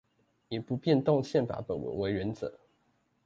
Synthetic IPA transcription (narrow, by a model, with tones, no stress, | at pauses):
jɛ˨˩pu˨˦pjɛ˥˧nt̪ɔ˥˧ŋɕjɛ˥˩npa̰˧˥pə̰˨˩nwə̰˨˩nwe˧˥ɪɥɛ˧˦nt͡sə̰˨˦